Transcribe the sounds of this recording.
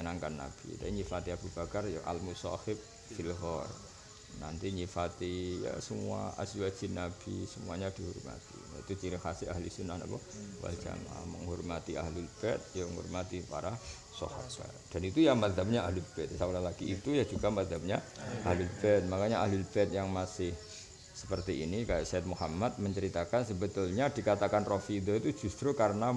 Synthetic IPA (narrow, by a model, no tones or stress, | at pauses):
naŋkanːa̰b̥ḭt̪a̰iɲifat̪iab̥ub̥akarjaʔa̰lmusɔ̰hɪp̚ | filɦɔr | nant̪iɲifat̪ija̰səmua̰ʔa̰siwḁd͡ʒɪnːab̥isəmuaɲad̥ihurma̰t̪ḭnait̪ut͡ʃiɾihasɪahlisunːahna̰bɔwa̰ld͡ʒa̰mamə̰ŋhurmat̪iʔa̰ɦlilb̥ɛt̪̚jaŋhɔ̰rmat̪ipaɾa | so̰ha̰bɛ̰ | d̥anit̪ujamaðɦap̚ɲaahlʊlbɛt̪̚saulalaɡ̥iːt̪ujad͡ʒuɡamaðap̚ɲaʔahlɪlbɛt̪̚makaɲaaɦlɪlbɛt̪jaŋmasɪh | sə̥pərt̪iinikajaʔsaɛt̪̚muhamat̪̚məɲt͡ʃəɾit̪akansəbət̪ʊlɲadikat̪akanrofid̪oit̪ud͡ʒust̪ɾukaɾəna